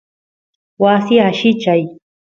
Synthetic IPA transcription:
wasiaʃɪt͡ʃaj

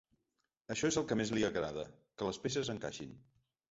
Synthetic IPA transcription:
əʃɔezəlˠkəmezliəɣɾaðə̰ | kələspesəzəŋka̰ʃḭn

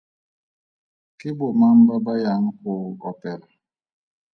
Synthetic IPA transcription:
kibomam̩babajaŋ̩koɔpɛl

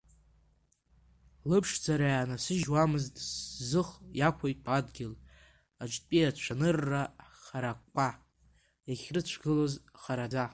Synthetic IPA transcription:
lɨpʰʂd͡zaɾajanasɨʒwamɨztʼszɨχjakʷʰojtʼʰadɡʲɪl | ad͡ʒʷʼpʼiat͡ɕʷʰanɨrːaχaɾakʷʼːa | jaχʲrɨt͡ɕʷʰɡɨlozχaɾad͡za

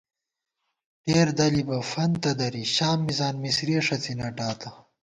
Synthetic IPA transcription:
teːɾd̪ɐlibɐfɐnt̪ɐd̪ɐɾiɕaːmːizaːnmisɾiːʂɐt͡sinɐʈaːt̪ɐ

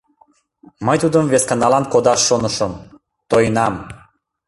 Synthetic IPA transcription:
məjt̪ud̪əmveskɑnɑlɑnkod̪ɑʃːonəʃəm | t̪ojənɑm

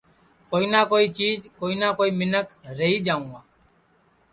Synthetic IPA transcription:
koːiːnaːkoːiːt͡ʃiːd͡ʒkoːiːnaːkoːiːmɪnəkɾəɦiːd͡ʒaːũːɡaː

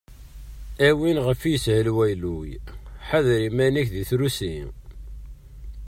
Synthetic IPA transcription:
æwinʁəfjəshəlwæjlujħaðɾimænækðiθɾusi

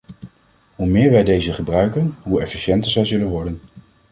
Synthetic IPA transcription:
ɦumɪːɹʋɛjdejzəχəbrœɥkənɦuɛfiʃɛntəɹzɛjzɵlənʋɔɹdən

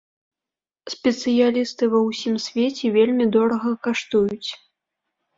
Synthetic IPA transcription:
sʲpʲɛt̪sɨjalʲist̪ɨvɐwsʲimsʲvʲet͡sʲɛvʲelʲmʲid̪ɔɾɐɣɐkaʂt̪ujut͡sʲ

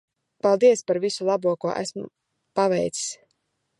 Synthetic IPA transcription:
palˠd̪iɛspaɾvisulˠabuɔkuɔʔæ̰smʊ | pavɛ̰jt̪si̥s

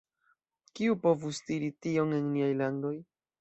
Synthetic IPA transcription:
kiupo̞vustiɾitio̞ŋe̞nniajlando̞j

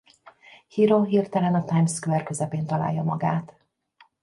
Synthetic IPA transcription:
hiːɾonɦiːrt̪ɛlɛnɒt̪ajmskuɛrkø̞zɛpeːnt̪ɒla̰ːjːɒmɒɡaːt̪

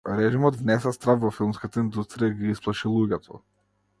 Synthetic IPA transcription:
ɾɛʒimɔd̪vnɛsɛst̪ɾafvɔfilˠmskat̪aind̪ust̪ɾijaiɡiisplˠaʃilˠuɟɛt̪ʰɔ̰

